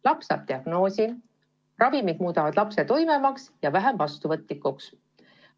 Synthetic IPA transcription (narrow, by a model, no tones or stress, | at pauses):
lɑpsɑ̰ːb̥̚t̪iɑɡ̥no̞ːsi | rɑvimid̪muːd̪̥ɑvɑd̪̥lɑpse̞t̪o̞jmemɑksjɑvæɦemvɑst̪uvɤt̪ˑlikːuks